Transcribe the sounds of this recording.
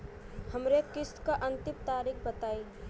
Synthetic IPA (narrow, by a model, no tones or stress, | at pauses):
həmɾekɪskaʔə̃nt̪ɪmt̪aːɾik̚ʰbət̪aːi